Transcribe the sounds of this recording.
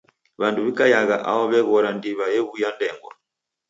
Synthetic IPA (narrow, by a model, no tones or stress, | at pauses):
βanduβikajaɣaʔaɔβɛɣɔɾandiβajɛβujandɛŋɡɔ̰